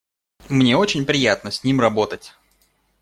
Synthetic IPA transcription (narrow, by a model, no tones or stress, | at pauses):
mnʲe̞o̞t͡ɕɪnʲpɾʲɪjat̪nəsʲnʲimrɐbo̞t̪ətʲ